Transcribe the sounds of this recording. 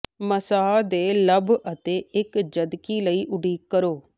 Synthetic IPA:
məsaːd̪eːləbət̪eːʔɪkd͡ʒəd̪kiːləiːʔʊɖiːkːəɾoː

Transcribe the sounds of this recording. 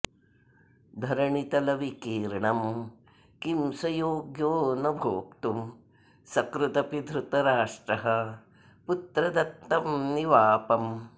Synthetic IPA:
d̪ʱɐɾɐɳit̪ɐlɐʋikiːɾɐɳɐm | kimsɐjoːɡjoːnɐbʱoːk̚t̪um | sɐkɾut̪ɐpid̪ʱɾut̪ɐɾaːʂʈɾɐɦɐ̆ | put̪ɾɐd̪ɐt̪ːɐmniʋaːpɐm

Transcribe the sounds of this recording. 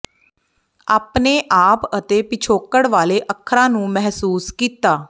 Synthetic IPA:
aːpneːʔaːpət̪eːpɪt͡ʃʰoːkəɽʋaːleʔəkʰːɾãːnũːmɛɦsuːskiːt̪aː

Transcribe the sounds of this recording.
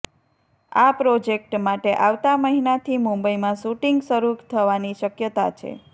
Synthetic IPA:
apɾod͡ʒek̚ʈmaʈeʔaʋt̪aməɦinat̪ʰimũmbəimãʃuʈiŋɡsəɾukt̪ʰəʋaniʃəkjət̪a̰t͡ʃʰḛ

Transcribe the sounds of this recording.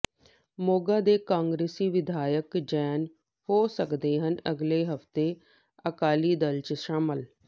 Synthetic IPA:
moːɡaːd̪eːkãːŋɡɾeːsiːʋɪd̪ʱaːjəkd͡ʒɛːn | hoːsəkd̪eːɦənəɡleːɦəft̪eː | əkaːliːd̪əlt͡ʃʃaːməl

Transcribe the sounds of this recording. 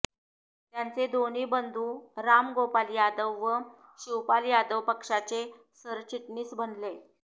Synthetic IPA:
t̪jant͡sed̪ʱoniːbənd̪ʱuːɾamɡopaljad̪əʋːəɕiwpaljad̪əʋpəkʂat͡se | səɾt͡ɕiʈɳiːsbʱənle

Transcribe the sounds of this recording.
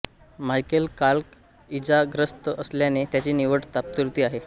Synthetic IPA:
majkəlkalk | id͡zaɡɾəst̪əəsljanet̪jat͡ɕiːniʋəʈt̪ap̚t̪uɾt̪iːaɦe

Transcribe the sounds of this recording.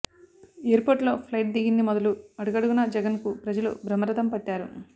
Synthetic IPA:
eːɾpoːɾʈlo̞ːpʰlɐjʈ̚d̪iɡind̪imɔd̪ɐluɐɽuɡɐɽuɡunɐd͡ʒɛɡɐnkupɾɐd͡ʒɐlṵbɾɐmːɐɾɐd̪ɐmpɐʈːaːɾṵ

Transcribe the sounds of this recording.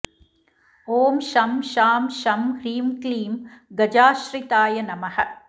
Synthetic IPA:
oːmʃɐmʃaːmʃɐmɡɾiːmkliːmɡɐd͡ʒaːʃɾit̪aːjɐnɐmɐhɐ̆

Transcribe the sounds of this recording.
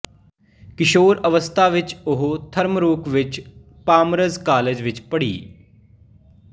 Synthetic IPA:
kɪʃoːɾəʋəst̪ʰaːʋɪt͡ʃʊɦot̪ʰəɾmɾuːkʋɪt͡ʃ | paːmɾəzkaːleːd͡ʒʋɪt͡ʃpəɽḭː

